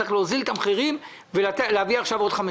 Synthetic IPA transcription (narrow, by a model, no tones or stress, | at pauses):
ʁeχleozilet̪amχiʁim | velat̪eleaviaχʃavo̞d̪χame